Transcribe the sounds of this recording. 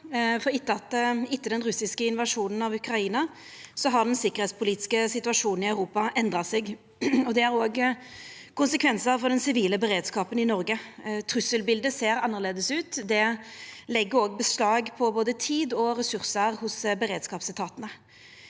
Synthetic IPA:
fɔʁɪt̪ːəɑt̪ːɪt̪ːəd̪ɛnʁʉsɪskəɪnʋɑʂuːnənɑʋʉkɾɑiːnɑ | sɔɦɑʁd̪ɛnsɪkːəʁ̩hɛːt̪spʰʊliːt̪ɪskəsɪt̪ʉɑʂuːnn̩ɪœʉʁuːpɑʔɛnd̪ʁɑsɛɡ | ɔd̪ɛæɾoːɡ | kʰʊnsəkʰʋɛnsəɾfɔʁd̪ɛnsɪʋiːləbəɾeːd̪skɑːpənɪnɔʁɡət̪ʰɾʉsəlbɪld̪əseːɾɑnːəʁleːd̪əsʉːt̪d̪ɛlɛɡːəɾoːɡ̚bəslɑːɡpʰɔboːd̪ət̪ʰiːd̪ɔʁɛsʉʁsəɾhʊsbəɾeːd̪skɑːpst̪ʰɑːt̪ənə

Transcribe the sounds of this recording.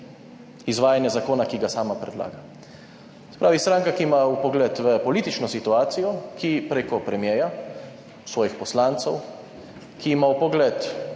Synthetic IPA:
izʋaːjanjɛzakoːnakiɡasaːmapɾɛd̪la̰ːɡa | sɛ̥pɾaːʋist̪ɾaːŋkakiːmaupɔɡlɛt̪ʋəpɔliːt̪it͡ʃnɔsit̪uaːt̪sijɔkipɾeːkɔpɾɛmjɛːja | sʋɔːjixpɔslaːnt̪sɔw | kiːmaupɔɡlɛt̪

